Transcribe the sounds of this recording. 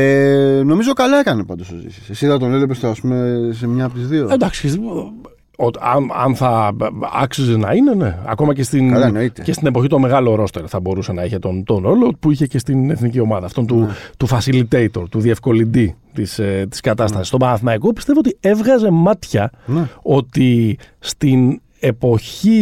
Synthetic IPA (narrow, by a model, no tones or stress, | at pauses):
eno̞mizo̞kɐlɐekɐnepɐnd̪osozḭsɐ̥sesiðɐt̪o̞nelepest̪oɐspumesemɲɐpot̪izðioend̪ɐksi̥çesi | oɐ̰nɐ̰nθɐɐ̰ksizenɐine̞ne̞ɐ̰ko̞mɐce̞st̪inɐnoit̪ece̞st̪ine̞po̞çit̪o̞me̞ɣɐlo̞ɾo̞st̪eɾoθɐbo̞ɾusenɐiçet̪ont̪o̞no̞lo̞puiçe̞ce̞st̪ine̞θnicio̞mɐðɐft̪ont̪ut̪ufɐsilit̪e̞it̪o̞ɾt̪uðie̞fko̞lind̪it̪ist̪i̥skɐt̪ɐst̪ɐsist̪o̞bɐɐθmɐiko̞pist̪e̞voot̪ie̞vɣɐze̞mɐt̪çɐno̞t̪ist̪in | e̞po̞çi